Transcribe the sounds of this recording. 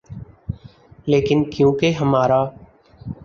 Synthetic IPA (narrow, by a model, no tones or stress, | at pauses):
leːkɪnkjũːkeɦəmaːɾaː